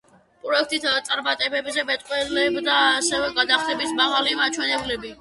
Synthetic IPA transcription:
pʼɾɔɛk̚ʰt̪ʼit̪t̪sʼaɾmat̪ʼɛbɛbzɛbɛt̪ʼqʼwɛlɛbd̪asɛvɛɡad̪aχt̪ʰɛbisʰmaʁalimat͡ʃʰwɛnɛblɛbi

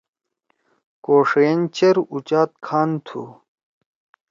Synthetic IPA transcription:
koːʂent͡ɕeɾut͡ɕaːt̪̚kʰaːnt̪ʰṵ

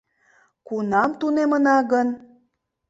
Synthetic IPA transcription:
kunɑmt̪unemənɑɣən

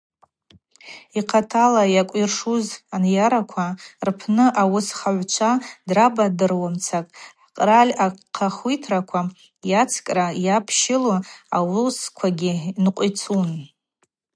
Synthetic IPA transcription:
iqʰatʰalajakʷʼirʂuzanjaɾakʷʰarpʰnɨʔawʊsχaʕʷt͡ʃʷʰadrabadɨrwamt͡sʰakʼʕqʼralʲaqʰaχitʰrakʷʰa | jat͡sʰkʼrajapʰʃɪloawʊskʷʰaɡʲinqʷʼit͡sʰun

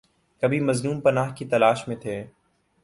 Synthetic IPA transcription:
kɐbʱimɐznuːmpɐnaːɦkit̪ɐlaːʃmẽt̪ʰeː

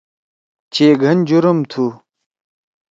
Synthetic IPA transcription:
t͡ɕʰeːɡʱɐnd͡ʑuɾɐmt̪ʰu

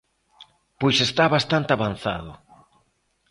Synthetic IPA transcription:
pojsest̪aβast̪ant̪ɪaβanθa̰ðʊ̰

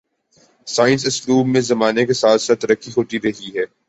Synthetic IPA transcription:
saːɪ̃ns̬ɪsluːbmẽzɐmaːnekesaːt̪ʰsaːt̪ːɾəkːiɦoːt̪iɾɐɦiɦɛː

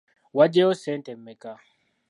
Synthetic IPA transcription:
wad͡ʒɛosɛntɛmːɛka

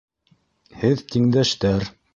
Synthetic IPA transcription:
hɘðt̪iŋd̪æʃt̪æɾ

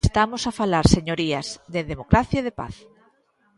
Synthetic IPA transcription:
st̪amosafalaɾseɲoɾiɐzðeðemokɾaθjaðepa̰θ

